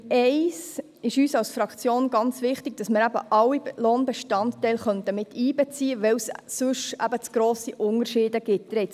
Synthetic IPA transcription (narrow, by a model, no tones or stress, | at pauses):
ɛɪs | ɪʃyːsɑwsfɾɑkt͡sjoːnɡɑnt͡svɪχtɪɡ̥̚d̥ɑsməɾæb̥ə̰ʔɑwːiloːnbɛʃtɑnttɛɪlχœnt̪əmɪt̪ʰiːbɛt͡siːəʋɛwssʊʃæ̰bət͡sɡ̥ɾoːsiʔʊnərʃiːdəɡɪt̚d̥ɾɛɪt